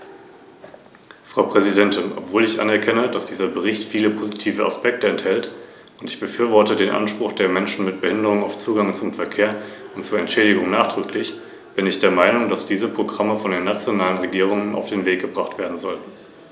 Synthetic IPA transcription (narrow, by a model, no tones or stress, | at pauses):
fʁ̥aʊpʁ̥ɛzidɛntɪnʔɔ̰pv̥oːlɪçʔa̰nɛɐkʰɛnədasd̥iːzɐbəʁ̞ɪçtfiːləpʰozitʰiːvəa̰spɛk̚təɛnthɛlt | ʊntɪçb̥əfyːɐvɔɐtədeːnʔa̰nʃpʁ̥ʊχd̥eːɐmɛnʃn̩mɪt̚b̥əhɪndəʁ̞ʊŋaʊft͡suːɡaŋt͡sʊmfɛɐkʰeːɐʊntt͡suːɐɛntʃɛːɾɪɡʊŋnaːχd̥ʁ̥ʏklɪç | b̥ɪnɪçd̥eːɐmaɪnʊŋdasd̥iːzəpʁ̥oɡʁaməfɔndeːnat͡sjonaːlənʁeɡiːʁ̞ʊŋənʔa̰ʊfd̥eːnveːk̚ɡ̥əbʁaχtv̥eːɐdn̩zɔltn̩